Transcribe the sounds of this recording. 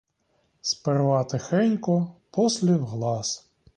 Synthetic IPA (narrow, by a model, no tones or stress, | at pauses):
sperʋɑt̪ɪxɛnʲkɔpɔslʲiwɦlˠɑs